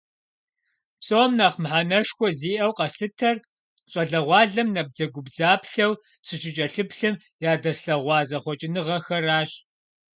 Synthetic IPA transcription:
sʼomnɐχmħanɐʃxʷɔziːʔɐwqɐɬɨtʰɐr | ɕʼɐɮɐʁʷɑːɮɐmnɐb̚d͡zɐɡʷʊbd͡zaːpɬɐw | t͡sʰʼɨɕʼɪt͡ʃʼɐɬɨpɬɨm | jaːdɐsɬɐʁʷɑːzɐχʷɔt͡ʃʼɪnɨʁɐxɐraːɕ

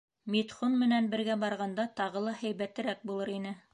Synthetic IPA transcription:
mit̪χonmɘ̆nænbɘ̆ɾɡæbɑɾʁɑnd̪ɑt̪ɑʁɤlˠɑhæ̆jβæt̪ɘ̆ɾæk̚bulˠɤɾinɘ

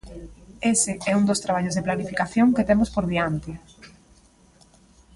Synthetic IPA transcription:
esɪɛund̪ost̪ɾaβ̞aʎozðeplanifikaθjoŋket̪emospoɾðiant̪ɪ

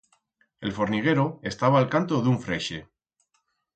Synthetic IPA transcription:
e̞lfo̞ɾniɣ̞e̞ɾoe̞st̪aβ̞aːlkant̪o̞ðuɱfɾeʃe

